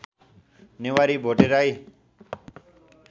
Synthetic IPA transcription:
neʋaɾibʱoʈeɾaj

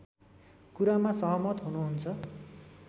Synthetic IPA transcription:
kuɾamasʌɦʌmʌt̪ɦunuɦunt͡sʰʌ

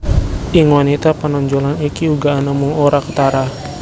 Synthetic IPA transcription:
ʔiŋwanit̪apanɔɲd͡ʒɔlanikiuɡaːnamuŋoɾakə̥t̪aɾa

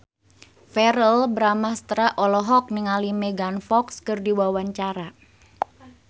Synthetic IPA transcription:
fɛɾəlbəɾamast̪ɾaʔɔlɔɦɔk̚niŋalimeɡanfɔkskɨrdiwawaɲt͡ʃaɾa

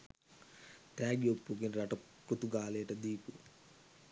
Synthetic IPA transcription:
t̪aːɡjopːuɡinɾɐʈɐkɾut̪uɡaːlejɐʈɐd̪iːpu

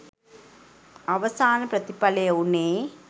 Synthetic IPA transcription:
ɐʋɐsaːnɐpɾɐt̪ipɐlɐjɐwuneː

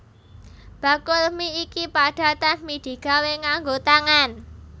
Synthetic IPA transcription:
b̥a̤kʊlmiikipaɖ̥a̤d̪anmid̪̥i̤ɡ̥aweŋaŋɡot̪aŋan

